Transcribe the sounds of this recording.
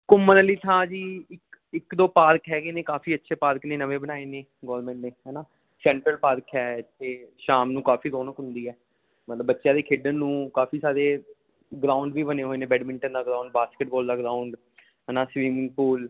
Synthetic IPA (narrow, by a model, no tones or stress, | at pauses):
kʊmːənəliːt̪ʰãːd͡ʒiːɪkɪkd̪oːpaːɾəkɦɛːɡeːneːkaːfiːətːʃʰeːpaːɾəkneːnəʋẽːbənaːeːneː | ɡɔːɾmɛ̃ːɳʈneːɦɛːnaː | sɛ̃ːɳʈɾəlpaːɾəkʰɦɛːeːʃaːmnũːkaːfiːd̪oːnəkɦʊnd̪iːɛː | mət̪ləbːətːʃjãːd̪eːkʰeːɖənːũːkaːfʰiːsaːɾeː | ɡɾaːʊɳɖʋiːbəneːɦoːeːnẽːbɛːɖmɪ̃ɳʈənd̪aːɡɾaːʊɳɖbaːskəʈ̚bɔːld̪aːɡɾaːʊɳɖ | ɦɛːnãːsʋiːmɪ̃ŋɡpuːl